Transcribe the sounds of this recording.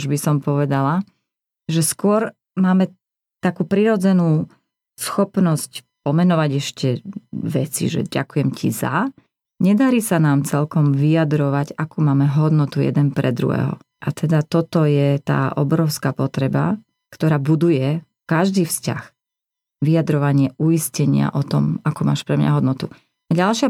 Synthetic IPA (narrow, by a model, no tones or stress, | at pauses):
ʒbisɔmpɔʋɛd̪ala | ʒɛskʊɔɾ | maːmɛ | t̪akuːpɾiɾɔd͡zɛnuː | sxɔpnɔsc | pɔmɛnɔʋaɟɛʃcɛʋɛt͡sḭʒɛ̰ɟa̰kujɛmcḭza̰ | ɲɛd̪aɾiːsanaːmt͡sɛlkɔmʋijad̪ɾɔʋaɟakuːmaːmɛɦɔd̪nɔt̪ujɛ̰d̪ɛnpɾɛd̪ɾṵɦɛ̰ːɦɔ̰ | ʔat̪ʰɛd̪at̪ɔt̪ɔjɛt̪a̰ːʔɔ̰bɾɔʊskapɔt̪ɾɛba | kt̪ɔɾaːbud̪ujɛ | kaʒd̪iːfsca̰x | ʋijad̪ɾɔʋaɲɪɛuiscɛɲɪa̰ʔɔt̪ɔ̰makuːmaːʃpɾɛmɲaɦɔd̪nɔt̪u | aɟalʃɪa